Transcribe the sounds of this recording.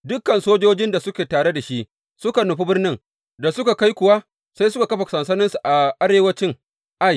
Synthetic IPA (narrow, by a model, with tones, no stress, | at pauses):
dʊ˦kːɐ˨nsoː˦d͡ʒoː˦d͡ʒɪ˦nda˨sʊ˦kʲeː˨taː˨ɽe˦da˨ʃi˦ʔ | sʊ˦ka˨nʊ˨ɸi˦bɪ˦rnɪ˦ŋ | da˨sʊ˦ka˨ka˦jkʷʊ˨wa˦ | sa˦jsʊ˦ka˨kɐ˦ɸa˨sɐ˨nsɐ˦nɪ˦nsu˨ʔa˨ʔa˦ɽeː˨wɐ˦t͡ʃɪ˦ŋ | ʔa˦˨j